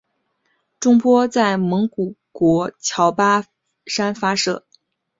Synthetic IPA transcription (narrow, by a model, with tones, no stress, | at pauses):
ʈ͡ʂʊ˥ŋpwɔ˥t͡sa˥˩ɪmɤ˧˥ŋku˨˩kwɔ˧˥t͡ɕʰjɑ˧˥ʊpa˥ | ʂa˥nfa˥ʂɤ̰˥˩